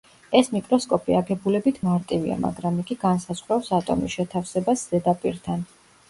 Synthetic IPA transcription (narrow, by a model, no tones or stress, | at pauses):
ɛsmikʼɾɔskʼɔpʼiaɡɛbulɛbit̪ʰmaɾt̪ʼivḭa̰ma̰ɡɾamiɡiɡansaz̥ʁɾapsat̪ʼɔ̰misʃɛt̪ʰafsɛbasz̥ɛd̪apʼiɾt̪ʰan